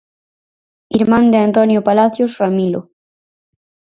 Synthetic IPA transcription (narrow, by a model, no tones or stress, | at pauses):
iɾmãnd̪eant̪onjopalaθjosramilo̰